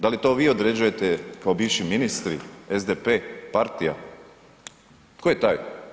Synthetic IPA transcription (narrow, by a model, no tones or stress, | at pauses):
d̪alit̪o̞ːʋiːo̞d̪ɾed͡ʑuje̞t̪ekao̞biːʋʃiminist̪ɾḭezd̪epeːpaɾt̪ija̰ | t̪kojet̪aːj